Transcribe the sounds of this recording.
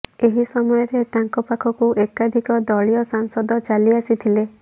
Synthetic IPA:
eɦisɔmɔjɔɾet̪aŋkɔpakʰɔkuʔekad̪ʱikɔd̪ɔɭiɔsaŋsɔd̪ɔt͡ʃaliasit̪ʰile

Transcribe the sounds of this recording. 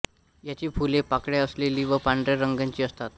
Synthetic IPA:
jat͡ɕiːpʰulepakɽjaəsleliːʋəpaɳɖɾeɾəŋɡãɲt͡ɕiːəst̪at̪̚

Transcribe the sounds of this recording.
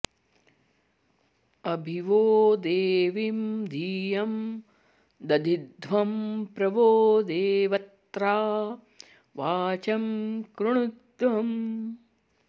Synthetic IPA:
ɐbʱiʋoːd̪eːʋimd̪ʱiːjɐm | d̪ɐd̪ʱid̪ʱʋɐmpɾɐʋoːd̪eːʋɐt̪ɾaː | ʋaːt͡ʃɐmkɾuɳud̪ʋɐm

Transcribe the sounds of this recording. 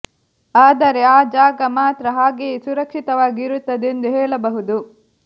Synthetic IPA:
aːd̪ɐɾeaːd͡ʒaːɡɐmaːt̪ɾɐɦaːɡeːsuɾɐkʂit̪ɐʋaːɡiɾut̪ːɐd̪end̪uɦɛːɭɐbɐɦud̪u

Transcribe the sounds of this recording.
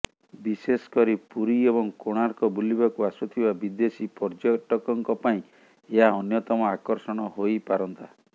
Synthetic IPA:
biseskɔɾipuɾiebɔŋkoɽ̃aɾkɔbulibakuasut̪ʰibabid̪esipɔɾd͡ʒɔʈɔkɔŋkɔpaĩ | eɦaɔnjɔt̪ɔmɔakɔɾsɔɽ̃ɔɦojpaɾɔnt̪a

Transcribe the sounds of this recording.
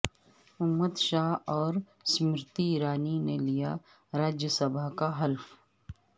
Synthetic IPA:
ʊmːəd̪ʃaːɦɔːɾ | smɪɾt̪iɾaːninelija̰ | ɾaːd͡ʒjəsɐbakaɦɐlf

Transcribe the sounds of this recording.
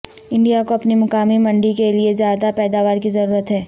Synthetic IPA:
ɪ̃ɳɖijakoɐpnimʊkaːmimɐ̃ɳɖikeliezjaːd̪apɛːd̪aːʋaːɾkizɐɾuːɾət̪ɦɛː

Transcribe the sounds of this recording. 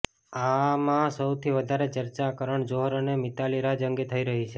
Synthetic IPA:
amãsəwt̪ʰiʋəd̪ʱaɾet͡ʃəɾt͡ʃakəɾəɳd͡ʒoɦɾonemit̪aliɾad͡ʒəŋɡet̪ʰəiɾəɦit͡ʃʰe

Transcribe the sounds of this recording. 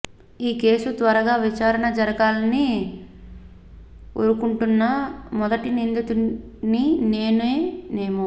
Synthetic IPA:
iːke̞ːsut̪ʋɐɾɐɡaːʋit͡ʃaːɾɐɳɐd͡ʒɐɾɐɡaːlɐni | o̰ɾukuɳʈunːɐmɔd̪ɐʈinind̪ut̪unine̞ːneːneːmu

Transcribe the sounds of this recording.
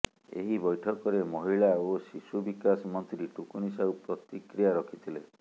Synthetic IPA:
ḛɦibɔjʈʰɔkɔɾemɔɦiɭaosisubikasɔmɔnt̪ɾiʈukunisawpɾɔt̪ikɾijaɾɔkʰit̪ʰile

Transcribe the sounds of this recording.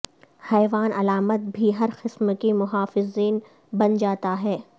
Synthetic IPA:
hɛːʋaːnʔɐlaːmət̪̚bʱiɦɐɾxɪsmkimʊɦaːfɪziːn | bɐnd͡ʒaːt̪aɦɛː

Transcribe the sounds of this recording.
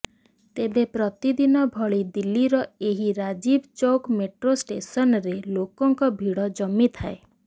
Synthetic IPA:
t̪ebepɾɔt̪id̪inɔbʱɔɭid̪ilːiɾɔeɦiɾad͡ʒibt͡ʃowkmeʈɾosʈesɔnɾelokɔŋkɔbʱiɽɔd͡ʒɔmːit̪ʰae

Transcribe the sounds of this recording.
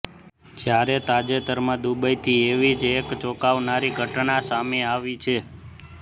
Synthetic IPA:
d͡ʒjaɾet̪ad͡ʒet̪əɾmãd̪ubəjt̪ʰieʋid͡ʒekt͡ʃɔkaʋnaɾiɡʱəʈnasameaʋit͡ʃʰe

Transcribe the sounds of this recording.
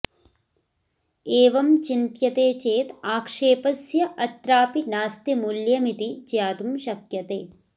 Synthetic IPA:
eːʋɐmt͡ʃint̪jɐt̪eːt͡ʃeːt̪aːkʂeːpɐsjɐʔɐt̪ɾaːpinaːst̪imuljɐmit̪it͡ʃjaːt̪umʃɐkjɐt̪ḛː

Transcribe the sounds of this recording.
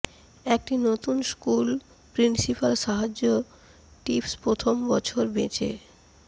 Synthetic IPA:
ek̚ʈinot̪unskul | pɾinsipalʃaɦad͡ʑo | ʈifspɾot̪ʰombɔt͡ɕʰoɾbet͡ɕḛ

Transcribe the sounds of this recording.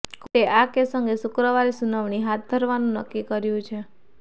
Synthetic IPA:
kʰeʔakesə̃ŋɡesukɾəʋaɾisunəʋɳ̃iɦat̪̚ʰd̪ʱəɾʋanũnə̰kːikəɾjũt͡ʃʰe

